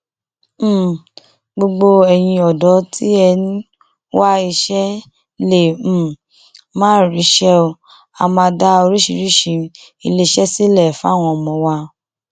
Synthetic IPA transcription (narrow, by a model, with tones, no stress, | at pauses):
ɡ͡bo˧ɡ͡bo˧ɛ˧j̃ĩ˧ɔ˨dɔ˨˦tʰi˦ɛ˧nĩ˦ | wa˦i˧ʃɛ˦ | le˦˨m̩˦˨ | mãː˦˨ɾi˨˦ʃɛ˦o˧ | a˧˨mã˧da˦o˧ɾi˦ʃi˧ɾi˦˨ʃi˧˦ | i˧le˦˧ʃɛ˦si˦lɛ˦˨fa˦˨w̃ɔ̃˧˨mɔ̃˧wa˧